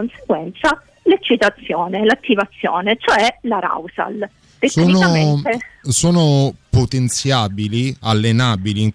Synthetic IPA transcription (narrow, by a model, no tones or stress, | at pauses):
onseɡwɛnt̪sa | let͡ʃːit̪at̪sːjoːnelat̪ːivat̪sːjo̰ːnet͡ʃoɛlaɾa̰wsa̰l | d̪efsoːinoamt̪esoːnopot̪ent̪sjaːbilialːenaːbiliŋ